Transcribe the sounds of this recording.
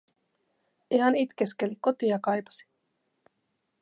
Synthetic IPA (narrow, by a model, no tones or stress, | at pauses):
iɦɑnit̪k̟eskeliko̞t̪iɑkɑjpɑ̥si̥